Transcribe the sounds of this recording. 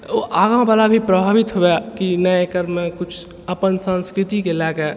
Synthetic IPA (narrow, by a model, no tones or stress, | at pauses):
oʔaːɡãbaːlabʱipɾəbʱaːʋɪt̪ɦoekinəekəɾmekʊt͡ʃʰ | əpənsə̃nskɾɪt̪ikelɛːke